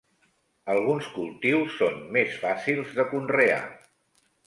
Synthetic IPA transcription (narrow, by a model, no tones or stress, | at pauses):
əlˠɣ̞unskulˠt̪iwsːonmesfasilˠzðəkunrea̰